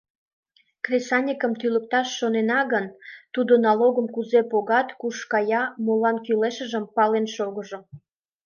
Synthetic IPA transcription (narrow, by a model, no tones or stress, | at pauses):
krʲesɑnʲikəmt̪ylək̚t̪ɑʃːonenɑɣənt̪ud̪onɑloɣəmkuzepoɣɑt̪kuʃkɑjɑmolɑnkyleʃəʒəmpɑlenʃoɣəʒo